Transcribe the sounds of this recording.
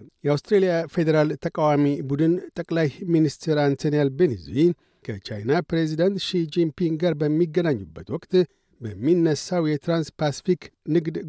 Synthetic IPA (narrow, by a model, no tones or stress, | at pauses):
jɛawst̪ɾelijafe̞d̪eɾalt̪ʰəkʼawamibud̪ɨnt̪ʼəkʼlajminist̪ʰɛɾant̪ʰonijelbenḛzi | kʰət͡ʃajnapɾe̞zid̪ant̪ʃid͡ʒimpʰiŋɡɡaɾbəmːiɡːənaɲːubːət̪wɔkʼt̪ʼ | bəmːinːəsawjɛt̪ɾanspʰasi̥fiknɨɡd̪